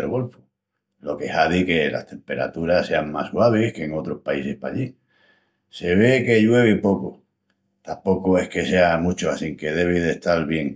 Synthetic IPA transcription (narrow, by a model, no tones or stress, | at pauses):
elɣo̞lfu̥ | lo̞ke̞haðike̞la̰st̪e̞mpe̞ɾa̰t̪uɾase̞aŋma̰swaβ̞ihke̞ŋo̞t̪ɾo̞hpaise̞hpa̰ʎi | se̞β̞e̞ke̞ʎwe̞β̞ipo̞ko | t̪ampo̞koe̞hke̞se̞amũt͡ʃoasiŋke̞ð̞e̞β̞iðeht̪alβje̞ŋ